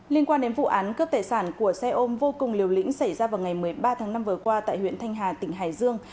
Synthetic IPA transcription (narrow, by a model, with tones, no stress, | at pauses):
li˧ənkwaː˧nɗe˨˦nvṵ˧˨ʔaː˨˦nkɨ˦˥p̚t̪aː˨˩jsaː˧˩nku˧˩əsɛ˧ʔo˧mvo˧kʊ˨˩ŋ͡mli˨˩əwlḭ˧˥ŋ̟sa˧˩jzaː˧vaː˨˩wŋa˨˩jmɨ˨˩əjɓaː˧t̪ʰaː˨˦ŋna˧mvɨ˨˩əkwaː˧t̪a̰ː˧˨hwḭ˧˨ənt̪ʰa˧jŋ̟ɦaː˨˩t̪ï˧˩ŋ̟ɦaː˧˨˩jzɨ˧əŋ